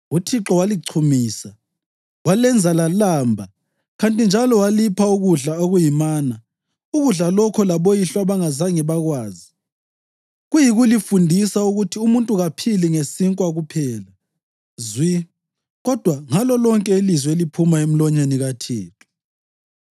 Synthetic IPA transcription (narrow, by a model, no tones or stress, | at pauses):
utʰiǁɔwaliǀʰumiːsa | walɛnd͡zʱalalaːmbʱa | ɣantʼind͡ʒʱalɔwalipʰauɣuɮaoɣujimaːna | uɣuɮalɔkʰɔlaβojiɬaβaŋazaŋɛβaɣwaːzi | ɣujiɣulifundʱisauɣutʰiumuntʼuɣapʰiliŋesiŋkʼwaɣupʰɛːla | zwi | ɣɔd̥ʱwaŋalɔlɔŋkʼɛilizwelipʰumaem̩lɔɲeniɣatʰḭːǁɔ